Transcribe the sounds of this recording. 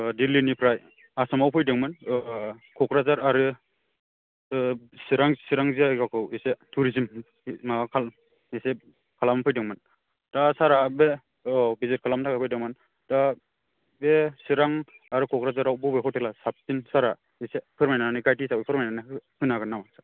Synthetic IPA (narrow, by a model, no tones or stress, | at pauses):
dilinipʰɾaj | asɔmawpʰɯjdɯŋmɯn | kʰɔkɾazaɾaɾɯ | siɾaŋsiɾaŋziakakʰɯwisetʰuɾizim | maakʰal | ise | kʰalamapʰɯjdɯŋmɯn | dasaɾabe | bizit̚kʰalamtʰakapʰɯjdɯŋmɯn | da | besiɾaŋ | aɾɯkʰɔkɾazaɾawbɯbekʰɔteklasap̚tinsaɾa | isepʰɯɾmajnanikajtisapipʰɯɾmajnanihɯnaɡɯnːamasḁ